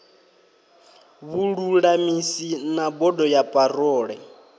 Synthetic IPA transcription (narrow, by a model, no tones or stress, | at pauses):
βuɺuɺamisinabɔdɔjapʼarɔːɺɛ